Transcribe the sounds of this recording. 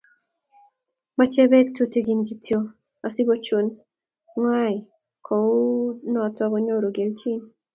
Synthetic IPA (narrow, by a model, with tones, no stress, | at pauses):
ma˦t͡ʃɛ˦bɛ˦k̚tʰu˦ti˦ɡi˨nɡi˨tʰjo˦ | a˨sɪ˦bo˦t͡ʃo˦n | ŋwa˦ɪ˨ | kʰɔ˨ʊ˦nɔ˨tɔ˦ɡɔ˦ɲo˦˨ɾo˨ɡe˨lt͡ʃi˦n